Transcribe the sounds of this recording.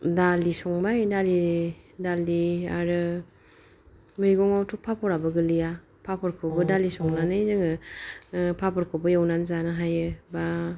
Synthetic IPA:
dalisɔŋbajdalidalia̰ɾɯ | mɯjɡɔŋɔwtʰuk̚pʰapʰɔɾabɯɡɯlɯja | pʰapʰɔɾkʰɯbɯdalisɔŋnanɯjzɯŋɯ | pʰapʰɔɾkʰɔbɯjawnanzanɯɦajɯba

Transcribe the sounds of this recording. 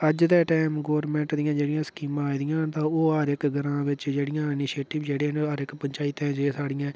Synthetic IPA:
əd͡ʒd̪ɛːʈɛːmɡoːɾmɛ̃ːɳʈd̪ɪjãːd͡ʒeːɽɪjãːsə̥kiːmãːid̪ɪjãːt̪ãːoːɦəɾɪkɡəɾãːʋɪt͡ʃd͡ʒeːɽɪjãːɪnɪʃeːʈɪʋd͡ʒeːɽeːnəɾɪkpəɲt͡ʃaːit̪ɛ̃ːd͡ʒeːsaːɽɪjãː

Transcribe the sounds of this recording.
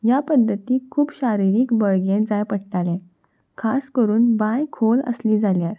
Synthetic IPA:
japəd̪ʱːət̪iːkʰuːpɕaɾiɾiːkbəɭɡẽd͡zajpəɽʈalɛ̃ | kʰaskəɾuːnbajkʰolə̰sliːd͡zaljaɾ

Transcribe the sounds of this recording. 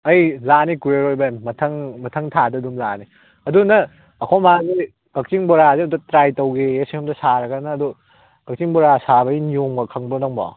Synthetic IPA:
ɐjlanikueɾojbɐemːɐtʰɐŋmɐtʰɐŋtʰadɐdumlani | ɐdunɐː | kʰomazi | kɐk̚t͡ʃiŋboɾazeɐmtɐtɾajtɐwɡejesihɐmdɐsaɾɐɡɐnɐːdu | ɡ̥ɐk̚t͡ʃiŋboɾasabɐinjoŋɐkʰɐŋbonɐŋba̰w

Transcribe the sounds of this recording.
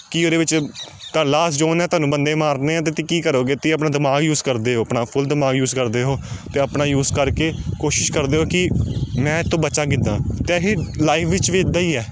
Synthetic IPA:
kiːoːɾeːʋɪt͡ʃkəlaːsd͡ʒoːnɛːt̪ʊɦaːnũːbənd̪eːmaːɾneːãːt̪̬eːt̪iːkiːkəɾoːɡet̪ːiːəpnaːd̪ɪmaːɡjuːzkəɾd̪eːɦoːəpnaːpʰʊld̪ɪmaːɡjuːzkəɾd̪eːɦoːt̪eːəpnaːjuːzkəɾkeːkoːʃɪʃkəɾd̪eːɦoːkɪmɛ̃ːt̪ːõːbət͡ʃaːkɪd̪ãːt̪eɦeːlaːɪfʰʋɪt͡ʃʋiːɪd̪ːaːiːɛː

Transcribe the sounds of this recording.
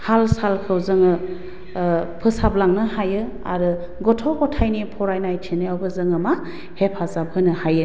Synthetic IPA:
halsalkʰɯwzɯŋɯ | pʰɯsablaŋnɯhajɯ | a̰ɾɯ | ɡɔtʰɔɡɔtʰajnipʰɔɾajnajtʰinɯawbɯzɯŋɯma | hepʰazabʱɯnɯhajɯ

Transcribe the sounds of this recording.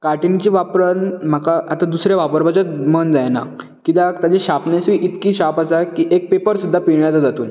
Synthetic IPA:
kaʈint͡ɕiːʋapɾənm̤akaʔat̪ad̪usɾjaʋapəɾbat͡ɕamənd͡zajna̰ | kit̪at̪ad͡ʑeɕapnesiːʔit̪kiːɕapasakiːʔek̚pepəɾsud̪ʱːapiɳjat͡sad͡zat̪uːn

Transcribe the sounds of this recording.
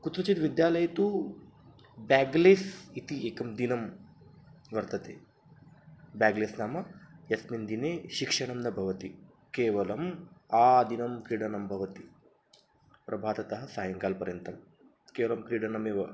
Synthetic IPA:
kut̪ɾɐt͡ʃit̪ʋid̪jaːlɐjɐt̪u | baːɡleːsit̪ieːkɐmd̪inɐm | ʋɐɾt̪ɐt̪ḛː | baːɡleːsnaːmɐjɐsmind̪ineːʃikʂɐɳɐmnɐbʱɐʋɐt̪i | keːʋɐlɐmaːd̪inɐmkɾiːɽɐnɐmbʱɐʋɐt̪i | pɾʔɐbʱaːt̪ɐt̪ɐɦɐ̆saːjɐŋkaːlpɐɾjɐnt̪ɾɐm | keːʋɐlɐmkɾiːɽɐnɐmeːʋɐ

